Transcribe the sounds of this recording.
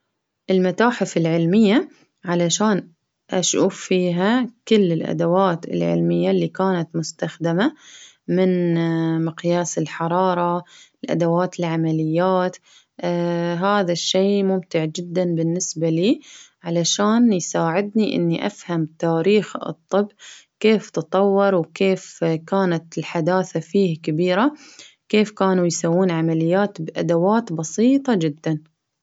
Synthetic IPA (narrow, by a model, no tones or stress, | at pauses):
ʔɪlmat̪aːħɪfɪlʕɪlmɪjːa | ʕalaʃaːn | ʔaʃʔuːffiːɦakʊlːɪlʔa̰d̪awaːt̪ɪ̰lʕɪ̰lmɪjːalːiːkaːnat̪mʊst̪axd̪ɪma | mɪnmɪqjaːsɪlħɑɾˤɑːɾˤɑɪlʔa̰d̪awaːt̪ɪlʕamalɪjːaːt̪ː | ɦaːðaʃːeːmʊmt̪ɪʕd͡ʒɪd̪ːanbɪnːɪsbaliːʕalaʃaːnjsaːʕɪd̪niʔɪ̰nːiʔa̰fhamt̪aːɾiːxɨ̰t̪ˤːɨbːkeːft̪ɨt̪ˤɑwːɑɾˤwkeːfkaːnat̪ɪlħad̪aːθafiːhakabiːɾa | keːfkaːnujsawːuːnʕamalɪjːaːt̪bʔa̰d̪awaːt̪bɑsiːt̪ˤɑd͡ʒɪd̪ːan